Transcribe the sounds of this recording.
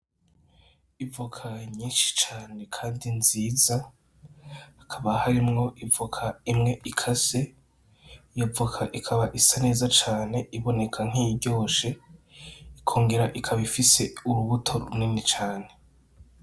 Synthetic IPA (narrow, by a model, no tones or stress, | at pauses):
ivukʰaɲiːnʃi̥t͡ʃaːne̞kʰaːndinziːza | akʰaβahaɾimŋo̞ʔivukʰaimŋe̞ʔikʰase̞ | javukʰaʔikʰaβaʔisane̞ːzat͡ʃaːne̞ʔiβo̞ne̞kʰaŋ̥iɟo̞ːʃe̞ | ikʰo̞ːŋɡe̞ɾaʔikʰaβifise̞uɾuβutʰo̞ɾuninit͡ʃaːne̞